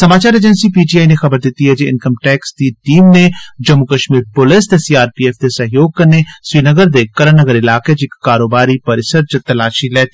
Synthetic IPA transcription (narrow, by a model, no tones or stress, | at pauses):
sɐmaːt͡ʃaːɾed͡ʒənsipiːʈiːaːinexɐbəɾd̪ɪt̪ːiɦɛd͡ʒeɪ̰nkəmʈɛːksd̪iʈiːmned͡ʒɐmːukəʃmiːɾpʊlɪsd̪esiːaːɾpiːɛːfd̪esɐɦjoːɡ̚kɐɾnesʋiːnəɡəɾd̪ekɐɾənəɡəɾɪlaːked͡ʒɪkːaːɾoːbaːɾipɐɾɪsəɾd͡ʒɐt̪ɐlaːʃilɛːt̪